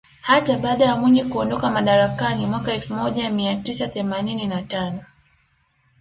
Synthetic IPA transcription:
hataɓaːɗajamwiɲikuɔndɔkamaɗaɾakanimwakaɛlfumɔʄamiatisaθɛmanininatanɔ

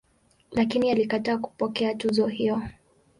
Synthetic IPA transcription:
lakinialikataːku̥pɔkɛatuzɔɦijɔ

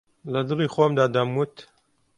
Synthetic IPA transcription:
lɐd̪ɨliːxomd̪aːd̪ɐmːut̪

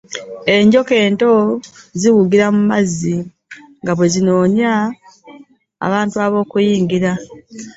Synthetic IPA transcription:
e̞ɲɟo̞ke̞ːnto̞ziwuɡiɾamumazːi | ŋɡaβwe̞zino̞ːɲa | βaːntuaβo̞ːkujiːŋɡiɾa

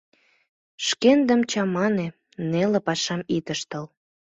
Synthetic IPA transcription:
ʃkend̪ə̆mt͡ɕɑmɑne | nelĕpɑʃɑmit̪əʃt̪əl

